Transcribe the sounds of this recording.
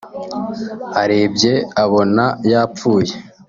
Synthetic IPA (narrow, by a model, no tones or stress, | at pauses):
haɾe̞ːbɟe̞aβo̞najaːfuːje̞